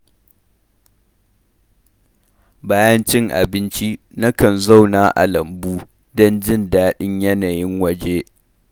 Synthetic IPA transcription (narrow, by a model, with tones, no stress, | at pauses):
baː˦jɐ˦nt͡ʃɪ˦ŋʔa̰˨bɪ˦nt͡ʃi˦ | nɐ˦kɐ˨nza˦wnaː˦ʔa̰˨lɐ˨mbuː˦ | dɔ˦nd͡ʒɪ˦˨ndaː˦ɗɪ˦ɲjɐ˦naː˨jɪ˦ŋwɐ˦d͡ʒeː˦